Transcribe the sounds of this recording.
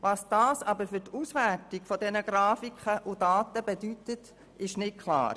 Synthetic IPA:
ʋɑsd̥ɑːsɑbəɾfʏtusʋæɾtiɡ̥fɔdɛnəɡ̥ɾɑːfikχəʔudɑːtəbɛdytət | ɪʃnɪt̚kʰlɑ̰ːɾ

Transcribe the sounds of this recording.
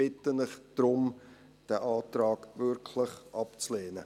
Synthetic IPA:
ɪtənɪχd̥ɾʊm | d̥æʔɑːtɾɑːɡ̥vʏɾkʰlɪχʔɑpt͡sleːnə

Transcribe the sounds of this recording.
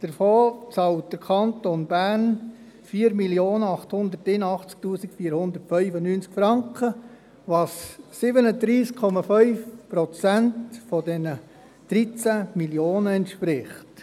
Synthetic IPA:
d̥əɾfoːt͡sɑwt̚d̥əɾkʰɑntonbærn | fiːɾmiljoːnəɑχthʊnd̪ətɪnɑχt͡sk̚tuːsikfiːəɾhʊnd̪əɾtfœʏfənyːnt͡skfɾɑŋkχə | ʋɑsːɪbənəd̪ɾiːskʰɔmɑfœʏfpɾɔt͡sæntfɔdɛnə | d̥ɾit͡sæmiljoːnəɛntʃpɾɪχt

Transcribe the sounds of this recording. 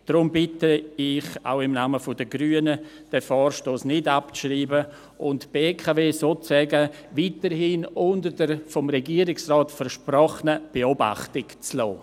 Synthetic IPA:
d̥ɾʊmbɪtəɪχa̰ʊɪmnaːməfʊdəɡɾyːənə | d̥ɛfɔːrʃtoːsnɪdapt͡sʃriːbə | ʊntb̥eːkʰaveːsoːt͡sɛɡə | vitəɾhinʊndəɾdəɾfɔmɾɛɡiːəɾɪksrɔːtfəɾʃprɔχnəb̥eoba̰χtɪkt͡slɔ̰ː

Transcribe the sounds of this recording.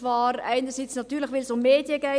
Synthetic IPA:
ʋɑːrɛɪnərsit͡snɑtːyːləxʋɪlsʊmːeːdjəɡɛ

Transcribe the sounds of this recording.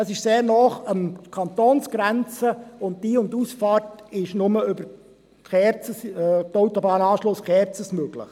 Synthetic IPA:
əsɪʃseːɾnɔːχəmkʰɑntoːnsɡ̥ɾænt͡səʊnt̚diːʊntusfɑːrtɪʃnʊməʏbəɾ | χɛɾt͡səstoʊtɔbɑːnɑːʃlʊsχɛɾt͡səsmøɡ̥lɪ̰χ

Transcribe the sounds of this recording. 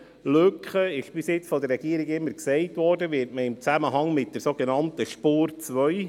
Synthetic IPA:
løkχəɪʃb̥ɪsjɪt͡sfɔdərːɛɡ̥iəɾɪɡɪmːəɾksɛɪtʋɔːɾdəʋɪːɾtməɪmt͡sæməɦɑŋmɪt̚d̥əɾsoɡenɑntəʃpuːɾt͡sʋœʏ

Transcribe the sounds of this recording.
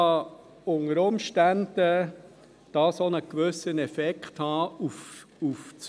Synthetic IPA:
ɑ | ʊŋəɾʊmʃtænd̥ə | d̥ɑːsonəkʋøsənɛfɛkχthɑːuf | uft͡s

